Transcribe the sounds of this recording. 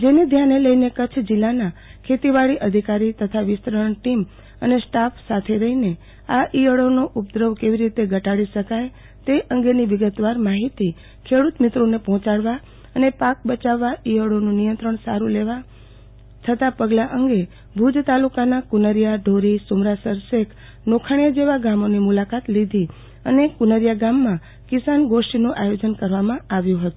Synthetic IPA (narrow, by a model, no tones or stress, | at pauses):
d͡ʒened̪ʱjanːeləinekət͡ʃʰd͡ʒilːanakʰet̪iʋaɭiʔəd̪ʱikaɾit̪ət̪ʰaʋɪst̪ɾəəɳʈim | ənesʈapsat̪ʰeɾəɦine | aʔijəɭonoʔupd̪ɾəʋkeʋiɾit̪eɡʱəʈaɽiʃəkaj | t̪eʔəŋɡeniʋɪɡət̪ʋaɾmaɦit̪i | kʰeɽut̪mɪt̪ɾonepɔɦɔ̃t͡ʃaɽʋa | ənepak̚bət͡ʃaʋːaʔiɦəɽonũnijə̃nt̪ɾəɳsaɾuleʋa | t͡ʃʰət̪apəɡlaʔəŋɡe | bʱud͡ʒt̪alukanakunəɾjaɖʱoɾisumɾasəɾsekʰ | nokʰaɳijad͡ʒeʋaɡamonimulakat̪lid̪ʱi | ənekunəɾjaɡamːã | kisanɡoʃʈinuʔajod͡ʒənkəɾʋamãaʋjũɦət̪ũ